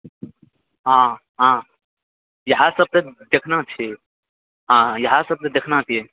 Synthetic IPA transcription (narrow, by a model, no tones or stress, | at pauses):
ɦãː | ɦã | jɐɦasəb̚t̪ed̪ekʰnat͡ʃʰe | ɦãjɐɦasɐb̚t̪ed̪ekʰnat͡ʃʰie